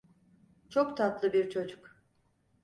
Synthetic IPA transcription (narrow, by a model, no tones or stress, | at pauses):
t͡ʃʰokt̪ʰat̪lˠɯbiɾt͡ʃʰo̞d͡ʒuk